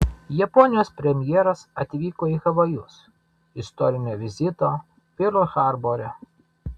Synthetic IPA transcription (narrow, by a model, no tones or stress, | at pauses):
jɛpɔnʲɪjoːspʲɾʲɛmʲjɛːɾɐsɐt̪ʲʋʲiːkoːixɐʋɐjʊs | ɪst̪ɔɾʲɪnʲoːʋʲɪzʲɪt̪oː | pʲɪɾlˠxɑˑɾboɾʲɛ